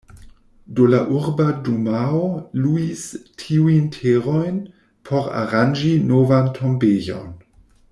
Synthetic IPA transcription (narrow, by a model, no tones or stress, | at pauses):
dolaʔuɾbadumaoluistʰiujntʰeɾojn | pʰoɾa̰ɾand͡ʒinovantʰombejo̰n